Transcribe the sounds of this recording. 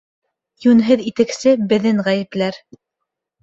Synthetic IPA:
jʉnɦɘðit̪ɘ̆ksɘbɘ̆ðɘŋʁæjɘ̆plæɾ

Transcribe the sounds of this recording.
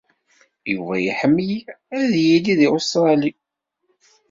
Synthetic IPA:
juvæjiħəmːəj | æðjiliðiʊst̪ɾˤɑli

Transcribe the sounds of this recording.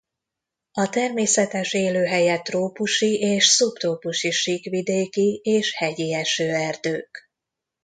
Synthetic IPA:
ɒt̪ɛrmeːsɛt̪ɛʃeːløːɦɛjɛt̪roːpuʃiʔeːʃsupt̪oːpuʃiʃikʋid̪eːkieːʃhɛɟiɛʃøːɛrd̪øːk

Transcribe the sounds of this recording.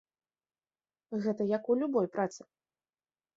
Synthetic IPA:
ɣɛt̪ɐjɐkulʲubɔjpɾat̪sɨ̥

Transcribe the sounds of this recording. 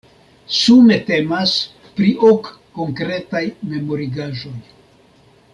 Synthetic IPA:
sume̞te̞mas | pɾiʔokː | o̞ŋkɾe̞tajme̞mo̞ɾiɡaʒo̞j

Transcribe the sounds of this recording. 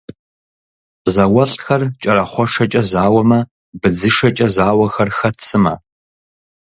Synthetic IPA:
zɐwɐɬʼxɐrt͡ʃʼɐɾɐχʷɔʂɐt͡ʃʼɐzaːwɐmɐ | bɨd͡zɨʂɐt͡ʃʼɐzaːwɐxɐrxɐt͡sʰɨmɐ̰

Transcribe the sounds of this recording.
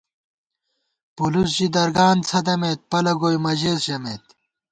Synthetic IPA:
pulus̬d͡ʑid̪ɐɾɡaːnt͡sʰɐd̪ɐmeːt̪̚pɐlɐɡoːjmɐʑeːsʑɐmet̪̚

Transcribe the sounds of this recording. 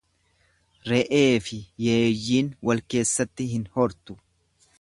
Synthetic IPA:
ɾɛʔe̞ːfɪjeːjːiːnwɐlke̞ːsːɐt̪ːɪɦɪnhɔɾt̪ʊ

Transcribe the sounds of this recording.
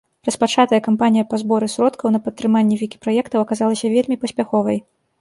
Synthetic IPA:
rɐspat͡ʂat̪ɐjɐkampanʲijɐpazbɔɾɨsɾɔt̪kɐwnɐpɐt̪ːɾɨmanʲːɛvʲikʲi̥pɾajɛkt̪ɐwɐkazalˠɐsʲɐvʲelʲmʲipɐsʲpʲaxɔvɐj

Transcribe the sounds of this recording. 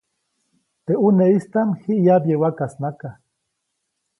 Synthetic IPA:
t̪euneist̪anhiʔjabjewakasnaka

